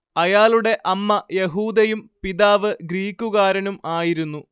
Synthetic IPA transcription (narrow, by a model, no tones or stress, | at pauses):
ɐjaːluɽe̞ʔɐmːɐjeɦuːd̪ɐjumpiðaːʋɨɡɾiːkʲːuɣaːɾɐnumaːjiɾunːu